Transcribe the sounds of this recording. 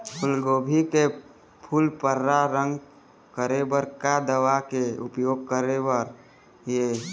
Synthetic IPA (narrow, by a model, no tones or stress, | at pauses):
pʰʊlɡoːbʱike | pʰulpəɾːaɾə̃ŋɡ | kəɾebəɾkad̪əʋakeʊpjoːɡ̚kəɾebəɾ | je